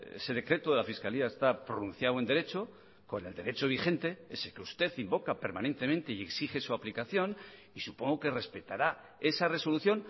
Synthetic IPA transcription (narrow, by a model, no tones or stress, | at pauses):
ḛse̞ðe̞kɾe̞t̪oðe̞lafiskaliaest̪apɾonũnθjawend̪e̞ɾe̞t͡ʃo̞ | ko̞ne̞ld̪e̞ɾe̞t͡ʃo̞β̞ixe̞nt̪e̞e̞sekeust̪e̞θimbo̞kape̞ɾmane̞nt̪e̞mẽnt̪e̞ie̞ksixe̞suaplikaθjo̞n | isupo̞ŋɡoke̞re̞spe̞t̪aɾa | e̞sare̞so̞luθjo̞n